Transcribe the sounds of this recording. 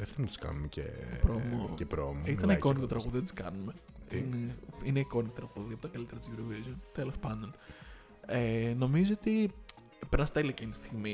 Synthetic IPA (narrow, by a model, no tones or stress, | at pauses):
eft̪ɐnt̪u̥skɐ̰numecḛpɾomocepɾomoit̪ɐnikonikt̪t̪ɾɐɣuðiðet̪i̥skɐ̰nume̞ineineiko̞nit̪o̥t̪ɾɐɣuðiɐpo̞t̪ɐkɐlit̪e̞ɾɐt̪zjuɾovizont̪elo̞spɐnd̪o̞n | eno̞mizoot̪i | penɐst̪eliceni̥st̪iɣmi